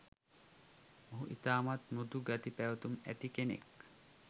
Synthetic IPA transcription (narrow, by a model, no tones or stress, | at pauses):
moɦuʔit̪aːmat̪mud̪uɡat̪ipæʋɐt̪umæ̰t̪ikenḛk